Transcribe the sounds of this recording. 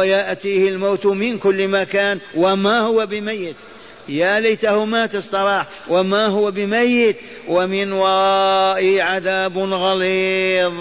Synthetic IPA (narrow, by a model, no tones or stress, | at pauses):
jaʔt̪iːhɪlmaːt̪mɪnkʊlːmakaːnwamahʊwabɪmajːɪt̪ | jalajt̪ahʊmat̪ɪsˤt̪ˤɑlɑːħ | wamaɦʊwabɪmajːɪt̪ | wamɪnwaʔɪʕaðaːbnɣaliːðˤ